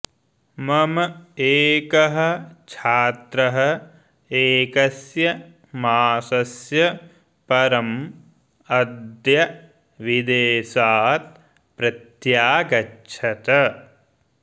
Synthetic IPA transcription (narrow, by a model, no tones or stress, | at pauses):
mɐmɐeːkɐɦɐ̆t͡ʃʰaːt̪ɾɐɦɐ̆ | eːkɐsjɐ | maːsɐsjɐ | pɐɾɐm | ɐd̪jɐ | ʋid̪eːsaːt̪̚ | pɾɐt̪jaːɡɐt͡ʃʰɐt̪ɐ